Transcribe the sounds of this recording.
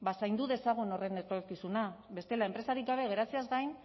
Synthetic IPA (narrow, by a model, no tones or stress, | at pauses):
basajnd̪uðe̞saɣ̞ono̞re̞nekokisunaβe̞st̪e̞laempɾe̞saɾikɡaβ̞e̞ɣe̞ɾat͡siazɡajn